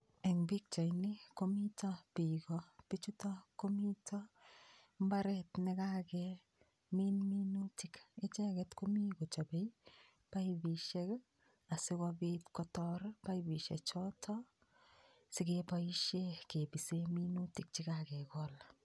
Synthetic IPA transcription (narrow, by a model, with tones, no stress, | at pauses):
ɛ˨ŋbi˦k̚t͡ʃa˨jnɪ˦ko˦mi˦tɔ˦pi˨kɔpi˦t͡ʃu˦tɔ˦ko˦mi˦tʰɔ˦ | m˦ba˦ɾɛtnɪ˦ka˦kɛ | mi˦nmi˦nu˦ti˨kɪ˦t͡ʃɛ˦kɛtko˦mi˦ko˨t͡ʃa˨be˦i | pa˦ibi˨ʃɛ˦k | a˨sɪ˦kɔbi˦tkɔ˦tɔɾpa˦ibi˨ʃɛ̰˨t͡ʃɔ˦tʰɔ | sɪ˦kepa˦i˦ʃe˦ke˨bi˨semi˦nu˦ti˨k̚t͡ʃɪ˦kakɛ˨kɔl